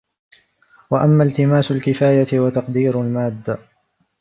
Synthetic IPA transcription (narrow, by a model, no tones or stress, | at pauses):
waʔamːaːlt̪ɪmaːsʊlkɪfaːjat̪ɪwat̪ɑqd̪iːɾʊlmaːd̪ː